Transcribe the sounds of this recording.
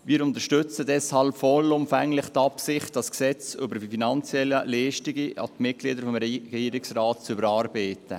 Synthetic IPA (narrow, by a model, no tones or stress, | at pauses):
ʋiːɾʊntəɾʃtʏt͡sədɛshɑlpfɔlʊmfɛŋlɪχt̪ɑpsɪχt̚d̥ɑsksɛt͡sʏbəɾfinɑnt͡sjɛləlɛːʃtiɡiʔɑ̰tmɪt̚ɡ̥liːdəɾfɔmɾɛɡɛiːɾɪksraːtt͡sʏbəɾɑːɾbeɪtə̰